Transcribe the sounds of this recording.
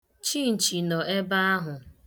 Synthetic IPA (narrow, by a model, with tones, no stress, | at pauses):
t͡ʃi˦˨n̩˨t͡ʃi˨nɔ˨e˦ba˦a˦ɦʊ˨